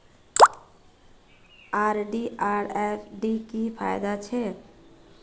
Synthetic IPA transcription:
aɾɖiʔaɾefɖikipʰa̰jd̪at͡ʃʰe

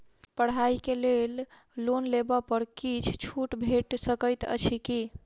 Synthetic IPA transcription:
pəɽ̤ɦaikelel | lonlebapəɾkit͡ʃʰt͡ʃʰuʈbʱeʈsəkəjt̪ə̰t͡ʃʰiki

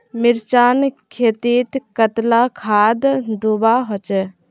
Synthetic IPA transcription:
mɪɾt͡ʃaːnkʰeːt̪iːt̪kət̪lakʰaːd̪d̪ubaɦot͡ʃɛ

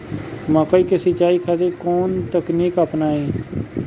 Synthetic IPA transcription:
maːkəiːkesɪt͡ʃaːiːkʰat̪ekoːnt̪əkniːkapnaːẽː

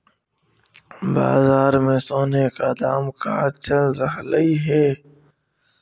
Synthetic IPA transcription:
ba̰ːzaːɾmẽsoːnekad̪aːmka̰t͡ʃəlɾəɦləiɦɛː

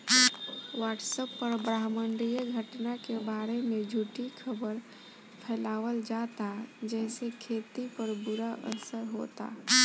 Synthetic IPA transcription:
waːʈsəpːəɾbɾaːɦməɳɖɾijəɡʱəʈnakebaːɾemẽd͡ʒʱuʈikʰəbəɾ | pʰɛːlaːwəld͡ʒat̪ad͡ʒɛːsekʰeːt̪ipəɾbʊɾaʔə̰səɾɦo̰t̪a̰

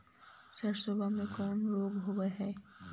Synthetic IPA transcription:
sɐɾsobʱamẽkɔːnɾoːɡɦowəɦɛː

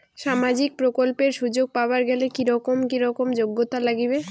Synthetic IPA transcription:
ʃamad͡ʑik̚pɾokolpeɾʃud͡ʑoɡ̚paoaɾɡɛlekiɾɔkomkiɾɔkomd͡ʑoɡːot̪alaɡibe

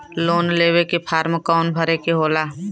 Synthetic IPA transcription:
loːnleːwekepʰaːɾmkaʊnbʱəɾekeɦoːlaː

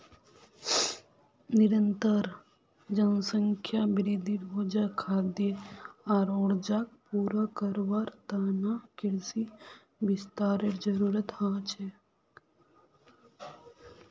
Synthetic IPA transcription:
niɾənt̪əɾ | d͡ʒənsəŋkʰjabɾid̪ʱiʈbʱoːd͡ʒakʰaːd̪jeaːɾoːɽd͡ʒaːk̚puːɾakəɾʋaɾt̪aːnakiɽsi | bist̪aːɾeʈd͡ʒəɾuːɾət̪haːt͡ʃʰe

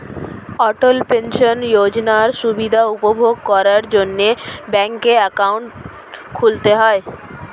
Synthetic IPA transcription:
ɔʈolpenʃonjod͡ʑnaɾʃubid̪ʱaupobʱoɡ̚kɔɾaɾd͡ʑonːebɛŋkeɛkawɳʈ | kʰult̪eɦɔe

